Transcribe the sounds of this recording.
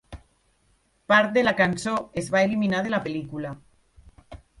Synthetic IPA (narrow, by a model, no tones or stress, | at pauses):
paɾt̪̚d̪elakansoezβaeliminað̞elapelikula